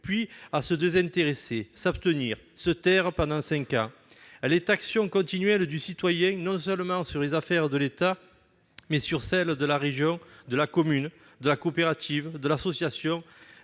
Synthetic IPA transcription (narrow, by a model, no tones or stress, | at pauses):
pɥiasəd̪ezɛ̃nt̪eʁesesapst̪əniʁsət̪ɛʁəpɑ̃nd̪ɑ̃sɛ̃ŋkɑ̃ | ɛlɛt̪aksjɔ̃kɔ̃t̪inɥɛld̪ysit̪wajɛ̃nɔ̃sœlmɑ̃syʁlezafɛʁd̪əlet̪a | mɛsyʁsɛld̪əlaʁeʒjɔ̃d̪əlakɔmyn | d̪əlakopeʁat̪ʰivd̪əlasɔsjasjɔ̃